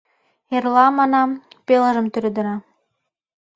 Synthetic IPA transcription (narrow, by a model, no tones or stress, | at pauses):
erlɑmɑnɑ | pelə̆ʒə̆mt̪yɾød̪ə̆ɾɑ